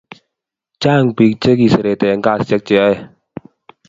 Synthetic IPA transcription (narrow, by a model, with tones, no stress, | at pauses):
t͡ʃa˦˨ŋpi˧˦k̚t͡ʃe˦k̬i˧˨sə˨ɾe˨t̪e˨˦ŋka˧˨st͡ʃɛ˧˦k̚t͡ʃɛ˨˦